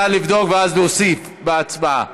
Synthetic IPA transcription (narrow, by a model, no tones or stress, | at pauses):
alivd̪o̞kveazlosif | beat͡sbaa̰